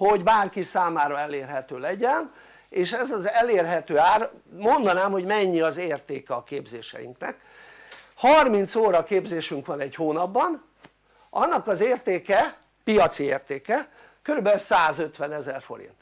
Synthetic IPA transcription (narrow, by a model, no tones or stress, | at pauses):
ho̞ɟbaːrkisaːmaːɾɒɛleːrɦɛt̪øːlɛɟɛn | eːʃɛzɒzɛleːrɦɛt̪øːaːrmo̞nd̪ɒnaːmho̞ɟmɛɲːiɒzeːrt̪eːkɛɒkeːbzeːʃɛ̰jḭŋknɛ̰k | hɒrmint̪soːɾɒkeːbzeːʃyŋkʋɒnɛchoːnɒbːɒn | ʔɒnːɒkɒzeːrt̪eːkɛ | pijɒt̪sieːrt̪eːkɛ | køɾybɛlsaːzø̞t̪ʋɛnɛzɛrfo̞̰ɾḭnt̪